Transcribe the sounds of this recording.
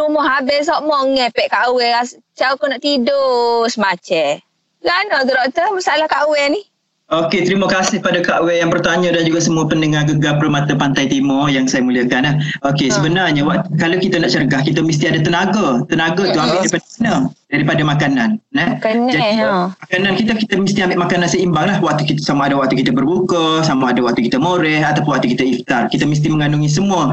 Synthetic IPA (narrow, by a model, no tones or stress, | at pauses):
umɔɦabɪsɔʔmɔŋɛpɛʔkawɛas | t͡ʃawkɔnaʔt̪idosəmat͡ʃɛ | ɡanɔɡəɾoʔt̪əmasalahkaʔwɛnih | oket̪ɾiməkasɪhpadakaʔwɛjaŋpərt̪aɲadand͡ʒuɡasəmuəpəndəŋaɡəɡapərmat̪apant̪ajt̪imɔjaŋsajamuliəkanahokesəbənarɲawaʔt̪ukalawkit̪anaʔt͡ʃəɾəɡahkit̪əmist̪iadat̪ənaɡat̪ənaɡat̪uɦambɪʔdaɾipanadaɾipadamakananɛd͡ʒadimakanankit̪akit̪əmist̪iambɪʔmakanansəimbaŋlahwak̚t̪ukit̪əsamaadawak̚t̪ukit̪əbərbukəsamaadawak̚t̪ukit̪əmoɾɛhat̪apʊnwaʔ̚t̪ukit̪aift̪arkit̪əmis̬t̪iməŋanuŋis̬əmuə